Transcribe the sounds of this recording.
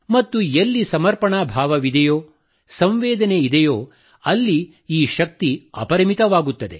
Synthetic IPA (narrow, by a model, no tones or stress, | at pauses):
mɐt̪ːujelːisɐmɐɾpɐɳaːbʱaːʋɐʋid̪ɛjoː | sɐmʋeːd̪ɐneid̪ɛjoː | ɐlːi | iːʃɐk̚t̪iɐ̰pɐɾɐmit̪ɐʋaːɡut̪ːɐd̪e